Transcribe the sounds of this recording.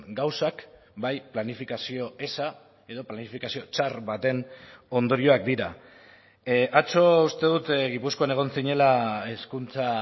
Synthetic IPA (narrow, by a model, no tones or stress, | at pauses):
ɡawsak | bajplanifikasio̞e̞sa | e̞ðo̞planifikasio̞t͡ʃaɾβat̪e̞no̞nd̪o̞ɾio̞ak̚d̪iɾa | ʔat͡so̞ust̪e̞ð̞ut̪ɣipusko̞ane̞ɣ̞o̞nsiɲe̞lae̞skunt͡sa